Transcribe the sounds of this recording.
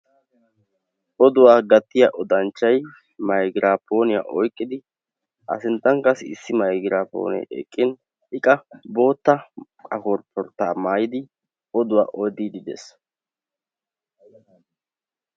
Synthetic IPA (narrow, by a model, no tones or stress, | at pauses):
ʔɔd̪ʊwaːɡɐt̪ːɪjɐʔɔd̪ɐnt͡ʃːɐj | mɐjɡɪɾaːpːo̞ːnɪja̰ʔɔjkʼːɪd̪ɪ | ʔɐ̰sɪnt̪ːɐŋkɐsɪsːɪmɐjɡɪɾaːpo̰ːnɛ̰ʔɛ̰kʼːɪn | ɪkʼɐbo̞ːt̪ːɐ | kʼɐkɔɾpʰːɔɾt̪ːaːmaːjɪd̪ɪ | ɔd̪ʊwa̰ːʔɔd̪id̪ɪd̪ḛs